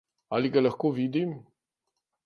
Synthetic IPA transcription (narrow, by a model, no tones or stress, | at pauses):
aliɡalaxkoːʋid̪im